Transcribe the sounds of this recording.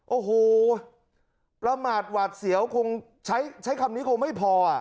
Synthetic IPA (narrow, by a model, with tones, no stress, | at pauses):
ʔoː˧˩hoː˨˧˩ | pɾa˧maː˨˩t̪̚waː˨˩t̪̚si˩˦əwkʰo˧ŋ | t͡ɕʰa˦˥jt͡ɕʰa˦˥jkʰa˧mniː˦˥kʰo˧ŋma˥˩jpʰɔː˧a˨˩